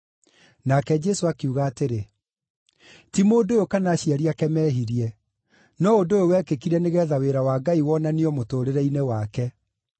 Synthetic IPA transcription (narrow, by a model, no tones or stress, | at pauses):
nakɛd͡ʒɛsoakeuɣaːteɾe | timoːdojokanaɕiaɾiakɛmɛːɦiɾiɛ | nɔodojowɛkekiɾɛneɣɛːðaweɾawaɡaiwɔnaniɔmotoːɾeɾɛinewakɛ